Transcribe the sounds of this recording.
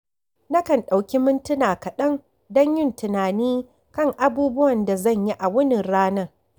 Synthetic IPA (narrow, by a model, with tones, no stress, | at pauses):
nɐ˦kɐ˨nɗa˨wkʲi˦mʊ˦ntʊ˦naː˨kɐ˨ɗɐ˦ŋ | dɐ˦ɲjɪ˦ntɪ˨naː˨niː˦ | kɐ˦˨ŋʔa˦buː˦bʊ˦wɐ˨nda˨zɐ˦˨ɲji˦ʔa˨wʊ˦nɪ˨nɽaː˦nɐ˦r